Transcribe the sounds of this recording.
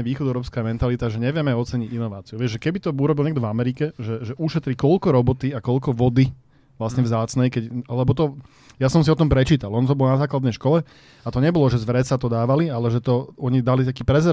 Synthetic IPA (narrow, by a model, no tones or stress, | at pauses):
ɛʋiːxɔd̪ɛʊɾɔːpskamɛnt̪alit̪aʒɛɲɛʋɪɛmɛɔt͡sɛɲiɟinɔʋaːt͡siuʋɪɛʒɛkɛbit̪ɔuɾɔbilɲɛɡ̚d̪ɔvamɛɾikɛʒɛʒɛʔuʃɛt̪ɾikɔʎkɔɾɔbɔt̪iakɔlkɔʋɔd̪i | ʋlasɲɛvzaːt͡snɛjkɛɟlɛbɔt̪ɔ | jasɔmsiɔt̪ɔmpɾɛt͡ʃiːt̪alˠɔnt̪ɔbɔlnazaːklad̪nɛjʃkɔlɛ | at̪ɔɲɛbɔlɔʒɛzʋɾɛt͡sat̪ɔd̪aːʋalialɛʒɛt̪ɔɔɲid̪alit̪akiːpɾɛzɛ